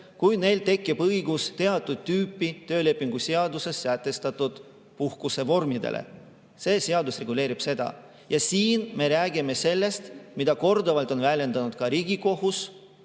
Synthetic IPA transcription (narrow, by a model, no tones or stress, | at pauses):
kujne̞jlt̪e̞kːibɤjɡust̪e̞ɑt̪ːˑud̪̥̚t̪yːpːit̪ø̞ːle̞pːˑiŋɡ̥useɑd̪use̞sːæt̪ːˑe̞st̪ɑt̪ːˑud̪̥ | puhkuse̞vo̞rmid̪ḛlʔḛ | se̞ːseɑd̪usre̞ɡule̞ːɾib̥se̞d̪̥ɑ̰ | jɑsiːnme̞ɾæːɡime̞se̞lːe̞st̪mid̪̥ɑko̞rd̪ovɑlt̪ˑo̞nvælʲe̞nd̪̥ɑnud̪̥kɑɾiːɡiko̞ɦus